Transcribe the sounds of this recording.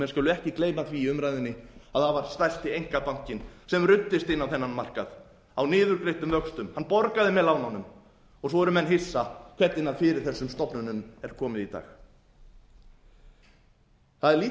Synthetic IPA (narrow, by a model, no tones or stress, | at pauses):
mɛnskœːlʏɛhcɪkleːjmanθviːʏmɾajðɪnːɪaðθaðvaɾ̥st̪ajlst̪ɪejŋ̥kapawŋ̥cɪnsɛmrʏt̪ːɪst̪ɪnːawθɛnːanmar̥ka̰θ | awnɪːðʏɾkɾeht̪ʏmvœkst̪ʏmhanːpɔɾkaðɪmɛðlawnawnʏm | ɔɣs̬ɔɛɾʏmɛnɦɪsːakʰv̥ɛt̪ɪnːaðfɪɾɪɾ̥θɛsːʏmst̪ɔpnʏnʏmɛɾ̥kʰɔːmɪðit̪a̰ːx | θaðɛɾliː